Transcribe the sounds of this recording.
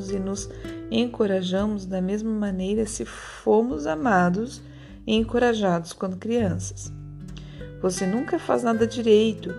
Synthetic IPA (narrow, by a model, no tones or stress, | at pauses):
ʊzɪnʊzẽŋkoɾaʒɐ̃mʊzd̪ɐmezmɐmɐnejɾɐsɪ | fomʊzamad̪ʊs | ɪẽŋkoɾaʒad̪ʊskwɐ̃nd̪ʊkɾiɐ̃sɐ̥s | vosenũŋkɐfa̰znad̪ɐd͡ʒiɾejt̪ʊ